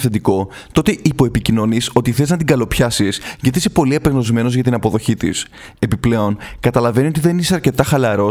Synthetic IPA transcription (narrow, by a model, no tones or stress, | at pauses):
θed̪iko̞ | t̪o̞t̪e̞ʔipo̞e̞picino̞niso̞t̪iθe̞znɐt̪̬iŋɡɐlo̞pçɐsisʝɐt̪iisepo̞liepe̞ɣno̞zme̞no̞zʝɐt̪inɐpo̞ðo̞çit̪ḭs | e̞piple̞o̞nkɐt̪ɐlɐve̞nio̞t̪iðe̞niseɐɾce̞t̪ɐxɐlɐɾo̞